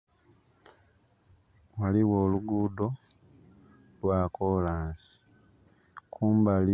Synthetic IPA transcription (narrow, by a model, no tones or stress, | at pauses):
waliwoːluɡuːdo̞ | lwaːkoːlaːnsi̥ | kʰuːmbali